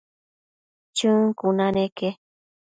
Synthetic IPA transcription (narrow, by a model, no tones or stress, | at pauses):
t͡ʃɨŋkunaneke